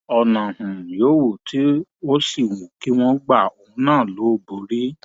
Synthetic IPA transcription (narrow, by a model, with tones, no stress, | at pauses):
ɔ˨nã˨hũ˨joː˨˦wu˦˨ti˨˦o˦si˦˨wu˨ki˨˦w̃ɔ̃˧ɡ͡ba˦˨o˧ũ˧˦nãː˦˨lo˨˦o˦˨bo˨˦ɾi˦